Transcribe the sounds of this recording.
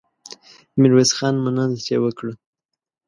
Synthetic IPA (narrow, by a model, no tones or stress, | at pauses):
mɪɾwesxɑnmənənd̪t̪ewəkɽə